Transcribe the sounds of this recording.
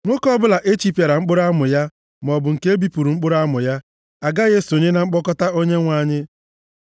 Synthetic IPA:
ŋʷo˦kɔ˦bʊ˦la˨ʔe˦t͡ʃi˦pa˨ɾa˨ŋ͡m̩˦k͡pʊ˦ɾa˦mʊ˨ja˦ | m˨ɔ˨bʊ˨ŋ̩˨ke˦bi˦pu˨ɾu˨ŋ͡m̩˦k͡pʊ˦ɾa˦mʊ˨ja˦ | a˨ɡa˦ɣe˦so˨ɲɪ˦na˨ŋ͡m̩˦k͡pɔ˦kɔ˦ta˦o˦ɲe˦ŋʷa˦ɲɪ˦

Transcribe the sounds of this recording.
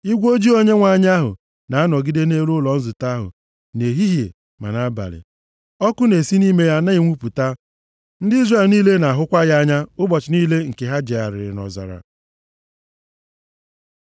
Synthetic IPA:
i˦ɡʷo˦d͡ʒi˦o˦ɲe˦ŋʷa˨ɲa˦ɦʊ̰˨ | na˨a˦nɔ˨ɡi˦de˦ne˦ɾʊ˦lɔ˨n̩˦zʊ˨ta˦ɦʊ̰˨ | ne˨ɦi˦ɦjḛ˨ | ma̰˨na˦ba̰˨lɪ̰˨ | ɔ˦kʊ˦ne˨si˦ni˦me˦ja˦na˦i˦˨ŋʷu˦pu˨ta˦ | n̩˦dɪ˦i˦zre˨lni˦le˦na˨ɦʊ˦kʷa˦ɣa˦ɲa˦ʊ˦bɔ˨t͡ʃɪ˨niː˦le˦ŋ̩˨ke˨ɦa˦d͡ʒe˨a˨ɾɪ̰˨ɾɪ̰˨nɔ̰˨za̰˨ɾa̰˨

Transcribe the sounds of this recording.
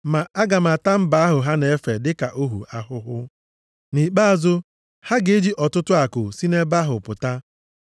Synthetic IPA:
ma˨a˦ɡa˨ma˨ta˦m̩˦ba˨˦a˦ɦʊ˨ɦa˦ne˨e˦fe˨dɪ˦ka˨ʔo˦ɦṵ˨a˨ɦʊ˦ɦʊ˦ | ni˨k͡pa˦a˨zʊ˦ | ha˦ɡe˦d͡ʒi˦ʔɔ˨tʊ˦tʊ˦a˨kʊ˨si˦ne˦ba˦ɦʊ̰˨pʊ˨ta˦

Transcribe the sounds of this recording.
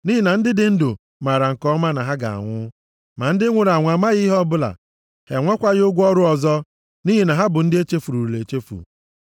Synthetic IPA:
ni˦ɦi˦˨na˨n̩˦dɪ˦dɪ˦n̩˦dʊ˨ | ma˨ɾa˨ŋ̩˨kɔ˦ma˦na˨ɦa˦ɡa̰˨a̰˨ŋʷʊ˦ | ma˨n̩˦dɪ˦ŋʷʊ˨ɾa˨ŋʷa˨ma˦ɣi˦ɦɔ˦bʊ˦la̰˨ | he˨ŋʷe˦kʷa˦ɣɪ˦ʊ˦ɡʷɔ˦ɾʊ˦ɔ˨zɔ˦ | ni˦ɦi˨na˨ɦa˦bʊ˨n̩˦dɪ˦e˦t͡ʃe˦fu˨ɾu˨u˨le˨t͡ʃe˦fṵ˨

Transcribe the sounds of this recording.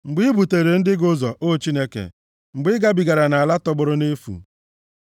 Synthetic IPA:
ŋ͡m̩˨ɡ͡bi˦bu˨te˨ɾe˨n̩˦dɪ˦ɡʊ˦zɔ˨ʔo˦t͡ʃi˦ne˦kḛ˨ | ŋ͡m̩˨ɡ͡bɪ˦ɡa˦bi˨ɡa˨ɾa˨na˨a˨la˦tɔ˦ɡ͡bʊ˦ɾʊ˦ne˦fṵ˨

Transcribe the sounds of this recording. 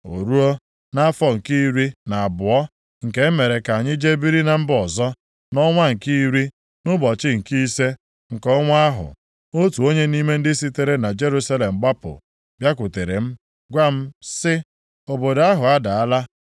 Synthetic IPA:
o̰˨ɾu˦o˦ | na˦fɔ˦ŋ̩˨ki˦ɾi˦na˨a˨bʊ˨ɔ˦ | ŋ̩˨ke˦me˨ɾe˨ka˨ɲɪ˦d͡ʒe˦bi˦ɾi˦na˨m̩˦bɔ˨zɔ˦ | nɔ˦ŋʷa˦ŋ̩˨ki˦i˦ɾi˦ | nʊ˦bɔ˨t͡ʃɪ˦ŋ̩˨ki˦i˦se˦ | ŋ̩˨kɔ˦ŋʷa˦a˦ɦʊ̰˨ | o˦tu˨o˦ɲe˦ni˦me˦n̩˦dɪ˦si˦te˦ɾe˦na˨d͡ʒe˦ɾu˦sa˦le˨m̩˨ɡ͡ba˦pʊ̰˨ | bja˦kʷʊ˨te˨ɾḛ˨m̩˦ | ɡʷa˦m̩˦sɪ˦ | o˨bo˨da˦ɦʊ˨a˦da˨a˦la˦

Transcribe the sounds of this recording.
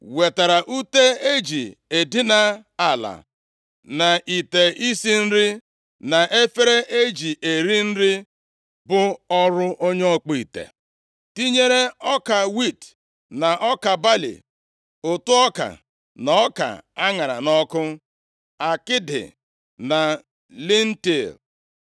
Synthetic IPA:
we˨ta˨ɾa˨ʔu˦te˦e˦d͡ʒi˨e˨di˦na˨a˨la̰˨ | na˨ʔi˨te˨ʔi˦si˦n̩˦ɾi˦ | na˨ʔe˦fe˦ɾe˦ʔe˦d͡ʒi˨ʔe˨ɾi˦n̩˦ɾɪ˦ | bʊ˦ɔ˦ɾʊ˦ʔo˦ɲe˦ɔ˦k͡pi˨tḛ˨ | ti˦ɲe˦ɾe˦ɔ˦ka˨wi˦˨t | na˨ʔɔ˦ka˨ba˦lḭ˨ | ʊ˨tʊ˦ɔ˦ka̰˨ | na˨ɔ˦ka̰˨a˦ŋa˨ɾa̰˨nɔ˦kʊ˦ | a˨kɪ˦dɪ̰˨ | na˨ | li˦n̩˦ti˨l

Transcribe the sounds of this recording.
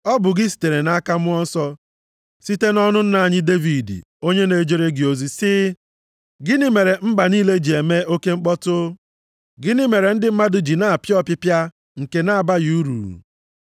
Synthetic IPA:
ɔ˦bʊ˨ɡɪ˦s̬i̥˨te˨ɾe˨na˦ka˦mʊ˦ɔ˦n̩˦sɔ˦ | si˦te˦nɔ˦nʊ˦n̩˦na˨ɲɪ˦de˦vi˨dḭ˨ | o˦ɲe˦ne˨˦d͡ʒe˦ɾe˦ɡɪ˨o˨zi˨sɪ˦ | ɡɪ˦ni˦me˨ɾe˨m̩˦ɡ͡ba˨niː˦le˦d͡ʒi˨e˨me˦o˦ke˦ŋ͡m̩˦k͡pɔ˦tʊ˦ | ɡɪ˦nɪ˦me˨ɾe˨n̩˦dɪ˦m̩˦ma˦dʊ˨d͡ʒi˨na˦a˨pjɔ˦pɪ˦pja˦ | ŋ̩˨ke˨na˦a˨ba˦ju˨˦u˦ɾṵ˨

